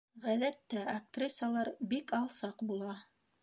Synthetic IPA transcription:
ʁæðæt̪ːæɐk̚t̪rʲisalˠɑɾbikɑlˠsɑqbulˠɑ

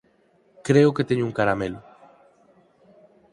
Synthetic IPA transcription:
kɾeoket̪eɲouŋkaɾamelo

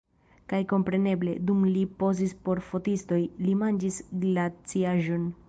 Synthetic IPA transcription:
kajko̞mpɾe̞ne̞ble̞̰dumlipo̞zispo̞ɾfo̞tisto̞jlimand͡ʒisɡlat͡siaʒo̞n

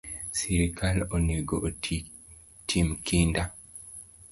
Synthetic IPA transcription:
siɾikʰaloneɡoʔ | tʰimkinda

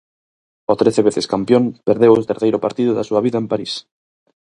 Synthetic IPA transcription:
ot̪ɾeθeβeθeskampjompeɾðewet̪eɾθejɾopaɾt̪iðoðasuaβiðaempaɾis

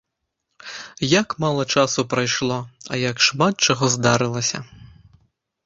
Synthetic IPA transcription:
jɐkmɑlˠɐt͡ʃɑsʊpɾɐjʃlˠɔɐ̰jɐkʃmɑt̪̚t͡ʃɔɦɔzd̪ɑɾɪlˠɐsʲɐ̰

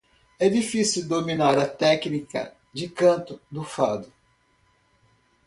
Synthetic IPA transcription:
ɛd͡ʒifisiwd̪ominaɾɐt̪ɛknikɐ̰ | d͡ʒɪkɐ̃nt̪ʊd̪ʊfad̪ʊ

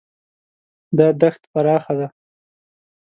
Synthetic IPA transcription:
d̪ɑd̪axt̪paɾɑxad̪a

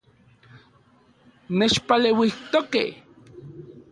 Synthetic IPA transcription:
net͡ʃpalewiht̪okḛh

